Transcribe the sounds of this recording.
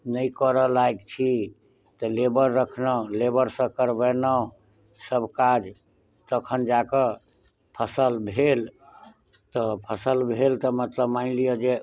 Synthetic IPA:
nəjkəɾəlaekt͡ʃʰi | t̪ɔlebəɾːəkʰnəlebəɾsə̃kəɾbənə | səbʱkad͡ʒ | t̪əkʰənd͡ʒakə | pʰəsəlbʱel | t̪ɔpʰəsəlbʱelt̪ɔmət̪ləbmaɪlijɔd͡ʒe

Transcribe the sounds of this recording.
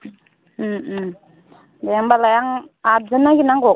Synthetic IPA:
m | dajaŋbalajaŋad͡zənaɡinaŋɡo

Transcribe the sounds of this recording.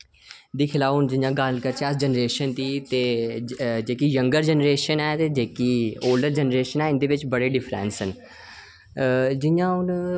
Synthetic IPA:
d̪iːkʰɪlaːʊnd͡ʒɪjãːɡəlkəɾt͡ʃʰiəsd͡ʒənɾeːʃənt̪iːt̪eː | d͡ʒeːkijə̃ŋɡəɾd͡ʒənɾeːʃənɛːt̪eːd͡ʒeːkiːoːlɖəɾd͡ʒənɾeːʃənɛːɪ̃nd̪eːʋɪt͡ʃbəɽeːɖɪfʰɾɛ̰̃ːnsən | d͡ʒɪjãːʊn

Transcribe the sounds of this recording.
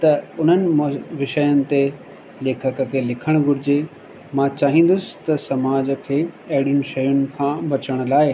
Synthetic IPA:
t̪ɐʊn̤ənɪ̆mʋɪʃəjənɪ̆t̪e | leːkʰəkəkʰelɪkʰəɽ̃ɡʱʊɾɪd͡ʑe | mãt͡ɕaːɦĩːn̆d̪ʊsɪ̥̆t̪ɐsɐmaːd͡ʑəkʰeːɐɦɪɽijʊnɪ̆ʃɐjʊnɪ̆kʰãːbɐt͡ɕəɽ̃ʊ̆laːɪ

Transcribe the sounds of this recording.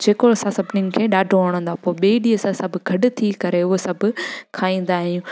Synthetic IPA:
d͡ʑeːkoɐsãsɐbnɪnɪ̆kʰeːɗaːɖʱoɐːɽ̃ə̃nd̪apoːɓeːɗiːəsãsɐbʱʊɡʱɐɖʊt̪ʰikɐɾeʊɦesɐbʱʊ̆kʰaːĩːn̆d̪aːɦijũː

